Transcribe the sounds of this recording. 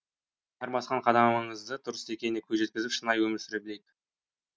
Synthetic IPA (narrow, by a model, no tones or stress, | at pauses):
ɑɾmɑsqɑɴqʰɑd̪ɑmɑmɑɴəzd̪ət̪ʰʊɾəst̪ekʲenɪkʲʰɵzʒe̞t̪̚kʲɪzɪpʃənɑjwɵmɪɾsɪɾebɪle̞d̪ɪ̥